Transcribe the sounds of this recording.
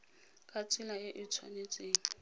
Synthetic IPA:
kʼat͡sʰʼɪlajeʔit͡sʰwa̰net͡sʼeːŋ̩

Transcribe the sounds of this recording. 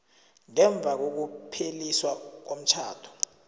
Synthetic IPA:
ŋɛɱb̪vʱak̬ok̬upʰeliswak̬om̩t͡ʃʰaːtʰɔ̥

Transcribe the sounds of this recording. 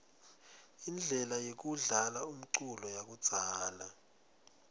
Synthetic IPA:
ind͡ɮʱɛlajek̬uɮalaum̩ǀulɔjak̬u̥z̥ʱaːla

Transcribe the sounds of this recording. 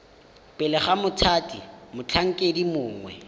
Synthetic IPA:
pʼɛlɛχamʊtʰaːtʼimʊt͡ɬʰaŋ̩kʼedimʊːŋwɛ̰

